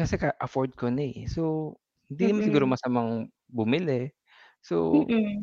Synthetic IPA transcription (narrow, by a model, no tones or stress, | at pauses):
kɐsɛkɐʔɐfoɹd̪̚konɐso | hɪnd̪inmɐsɪɡuːɾomɐsɐmaŋ | bʊmɪlɛ | so̰